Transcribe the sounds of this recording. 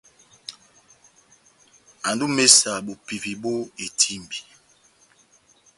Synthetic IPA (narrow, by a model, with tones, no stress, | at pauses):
a˨ndu˦me˦sa˨bo˨pi˨vi˨bo˦e˨tʰi˦m˨bi˨